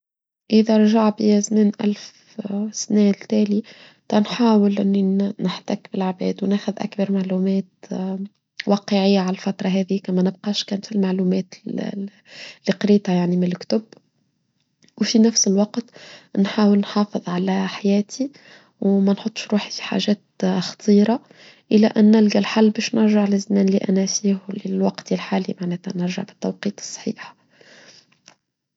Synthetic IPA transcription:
ʔɪðæɾˤʒaʕbiæsniːnʔæ̰lf | snɛlt̪æːli | t̪ˤɑnħaːwəlʔɪnːinəħt̪ækbɪlʕabɛ̰ːd̪wnæːxʊðʔæ̰kbɑɾˤmaʕlumɛːt̪ | wɑːqəʕɪjːaʕalælfɑt̪ɾˤɑɦɛːðiːkæmɛnəbqɑːʃkæːnt̪filmaʕluːmɛːt̪ | lːiqɾiːt̪hajaʕnimɪnlkt̪ʊb | wfinæfsəlwɑqt̪nħaːwəlnħɑːfɨðˤʕalæħajæːt̪ʰi | wmænħot̪ˤːʃɾuːħifi̥ħa̰ʒɛːt̪xɑ̥t̪ˤiːɾˤɑ | ʔɪlːæʔænːɪlɡælħalːbɛːʃnɪɾʒaʕlɪzmæːnliʔænæfiːhwlilwɑqt̪ilħaːlḭmaʕnɛːt̪ænɨɾʒə̰ʕbɪt̪ːɑwqiːt̪ˤɨ̥sˤːħḭːħ

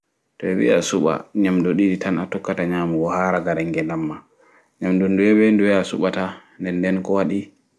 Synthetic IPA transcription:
tɔɛwḭa̰suɓa̰ɲamdɔɗiditanatɔkːataɲaːmuɡɔhaːɾaɡaɾɛŋɡɛlamːa | ɲamdɔnduɛbɛnduɛasuɓatandɛndɛnkɔwaɗi

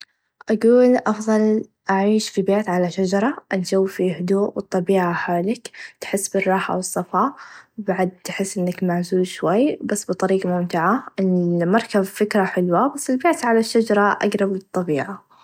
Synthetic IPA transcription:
ʔaɡuːlʔɑfðˤɑl | ʔaʕiːʃfibeːt̪ʕalaʃad͡ʒɑɾˤɑʔand͡ʒawːfihʊd̪uːʔwɨt̪ˤːɑbiːʕaħaːlɪkt̪ħɪsːbɪrˤːɑːħa̰wɨsˤːɑfɑːbaʕad̪̚t̪ħɪsːʔɪnːakmaʕzuːlʃwajːbasːbɨt̪ˤɑɾiːɡamʊmt̪ɪʕaɪlmɑɾˤkabfɪkɾaħɪlwabasːɪlbeːt̪ʕalaʃːad͡ʒɑɾˤɑʔa̰ɡɾˤɑblɨt̪ˤːɑbiːʕa

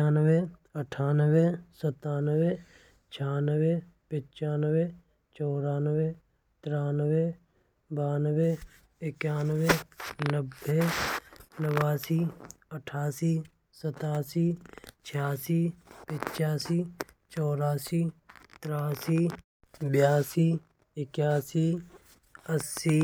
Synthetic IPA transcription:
aːnweəʈʰaːnəwesət̪aːnəwe | t͡ʃʰaːnəwe | pɪt͡ʃaːnəwe | t͡ʃɔːɾaːnəwe | t̪ɾaːnəwe | baːnəwe | ɪkaːnəwenəbʱːe | nəwaːsiː | əʈʰaːsiː | sət̪aːsiːt͡ʃʰjaːsiːpɪ̃t͡ʃaːsiː | t͡ʃɔːɾaːsiːt̪ɾaːsiː | bjaːsiː | ɪkjaːsiː | əsːiː

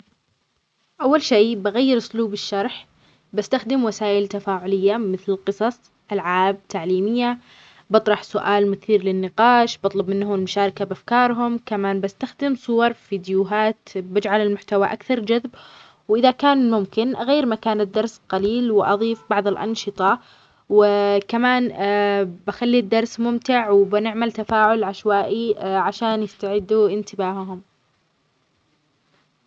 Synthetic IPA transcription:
ʔawːalʃeːbaɣajːɪɾɪsluːbɪʃːɑɾˤħ | bast̪axd̪ɪmwasaːʔɪlt̪afaːʕʊlɪjːamɪθlɪlqɨsˤɑsˤ | ʔalʕaːb̚t̪aʕliːmɪjːa | bɑt̪ˤɾˤɑħsʊʔaːlmʊθiːɾlɪnːɪqɑːʃbɑt̪ˤlɑbmɪnːhʊmɪlmʊʃaːɾɪkabʔafkɑːɾˤɦʊmkamaːnbast̪axd̪ɪmsˤʊwɑɾˤfiːd̪juɦaːt̪bɪd͡ʒʕalɪlmʊħt̪awaʔakθɑɾˤd͡ʒaðb | wʔɪðakaːnmʊmkɪnʔaɣajːɪɾmakaːnɪd̪ːɑɾˤsqɑliːlwɪʔɑðˤiːfbɑʕðˤɪlʔɑ̰nʃɨt̪ˤɑ | wɪkamaːn | baxalːid̪ːɑɾˤsmʊmt̪ɪʕwɪbɪnɪʕmalt̪afaːʕʊlʕaʃwaːʔiʕaʃaːnjɪst̪aʕɪd̪ːuɪnt̪ɪbaːhɦʊm

